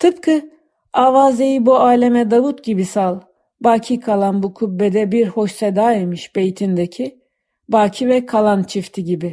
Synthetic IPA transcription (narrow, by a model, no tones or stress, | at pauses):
t̪ʰɯpkʰɯ | aːvaːzejibuaːlʲemɛd̪avut̪ɟibisalˠ | baːcʰikʰalˠanbukʰubːɛd̪ɛbiɾho̞ʃsɛd̪aːimɯʃb̥e̞jt̪ʰind̪ecʰi | baːcʰivɛkʰalˠant͡ʃʰift̪ʰiɟibi